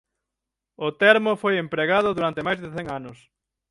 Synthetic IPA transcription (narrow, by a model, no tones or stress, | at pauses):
ʊt̪ɛɾmʊfojempɾeɣaðʊðuɾant̪emajzðeθeŋanʊs